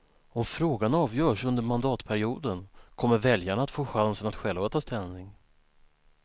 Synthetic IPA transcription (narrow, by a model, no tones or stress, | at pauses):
ɔmfɾoːɡanɑːvjœːʂɵnd̪əɾmand̪ɑːt̪pʰæɾɪuːd̪ənkʰɔmːəɾvɛljaɳat̪foːɧansənat̪ɧɛlvat̪ʰɑːst̪ɛlnɪŋ